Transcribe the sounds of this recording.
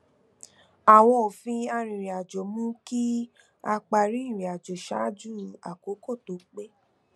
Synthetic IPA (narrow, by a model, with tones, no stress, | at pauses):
a˨w̃ɔ̃˧o˨fĩ˧a˧ɾ̃ĩ˨ɾĩ˨a˨d͡ʒo˨mũ˦ki˦ | a˧k͡pa˧˨ɾĩ˦˨ɾĩ˨a˨d͡ʒo˨ʃa˨˦d͡ʒu˦˨a̰˨ko˨˦ko˦˨to˨˦k͡pe˦